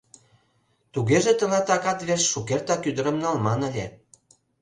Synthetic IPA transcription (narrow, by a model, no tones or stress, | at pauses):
t̪uɣeʒĕt̪ə̆lɑt̪ɑkɑt̪βersʃukert̪ɑkyd̪ə̆ɾə̆mnɑlmɑnə̆lʲe